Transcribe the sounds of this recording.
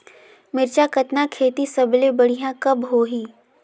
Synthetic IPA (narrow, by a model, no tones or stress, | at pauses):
mɪɾt͡ʃakɐt̪nakʰeːt̪isɐblebɐɽ̤ijãkɐbɦoːɦiː